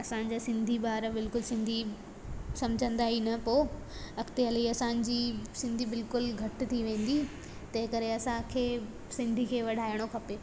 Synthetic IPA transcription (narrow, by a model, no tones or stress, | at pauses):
ɐsãɲd͡ʑaːsɪ̃nd̪ʱibaːɾbɪlkʊlsɪ̃nd̪ʱi | sɐ̃md͡ʑʱə̃nd̪aːɦinɐpoː | ɐkt̪eɐliɐsãːɲd͡ʑiːsɪ̃nd̪ʱibɪlkʊlɡʱɐʈt̪ʰiʋẽːn̆d̪i | t̪ɐɦɪ̃kɐɾeɐsãkʰeː | sɪ̃nd̪ʱikʰeːʋɐɗ̤ʱaːɪɽ̃okʰɐpeː